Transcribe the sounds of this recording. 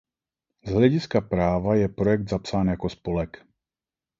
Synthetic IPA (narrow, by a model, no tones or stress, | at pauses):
zɦlɛɟɪskapɾaːvajɛpɾojɛɡ̚d̪zapsaːnjakospolɛk